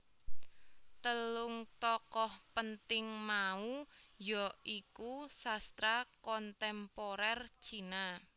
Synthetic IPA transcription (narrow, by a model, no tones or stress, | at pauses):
t̪əlʊŋt̪ɔkɔhpənt̪ɪŋmaujɔikusast̪ɾakɔnt̪ɛmpɔɾɛrt͡ʃina